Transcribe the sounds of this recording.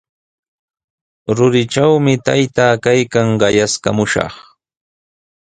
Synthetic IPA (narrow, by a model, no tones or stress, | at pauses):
ɾʊɾɪt͡ʃawmɪt̪ajt̪aːkajkaŋɢɑjaska̰mʊʃɑ̰χ